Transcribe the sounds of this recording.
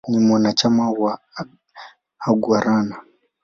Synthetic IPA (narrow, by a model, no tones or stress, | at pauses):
nimwanat͡ʃamawa | ɡwaɾana